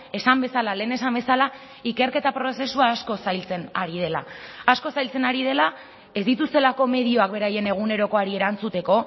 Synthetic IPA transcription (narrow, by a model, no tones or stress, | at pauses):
e̞sambe̞salale̞ːne̞sambe̞sala | ike̞ɾke̞t̪apɾo̞se̞suaːsko̞sajlt͡se̞naɾið̞e̞laːsko̞sajlt͡se̞naɾið̞e̞la | e̞zd̪it̪ust̪e̞lako̞me̞ðio̞ak̚be̞ɾaje̞ne̞ɣ̞une̞ɾo̞ko̞aɾie̞ɾant͡sut̪e̞ko̞